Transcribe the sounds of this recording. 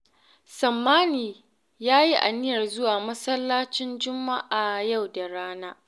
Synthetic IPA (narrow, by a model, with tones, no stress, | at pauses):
sɐ˨mːaː˦niː˨ | jaː˦ji˦ʔa̰˨nɪ˦jɐ˨rzʊ˦waː˨mɐ˦sɐ˦lːaː˦t͡ʃɪ˦nd͡ʒʊ˦mːa˦ʔaː˨ja˦˨wda˨ɽaː˦naː˦